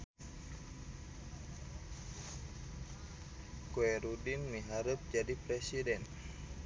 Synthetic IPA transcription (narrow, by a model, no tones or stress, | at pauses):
kuɛɾudinmiɦaɾəp̚d͡ʒadipɾɛsidɛn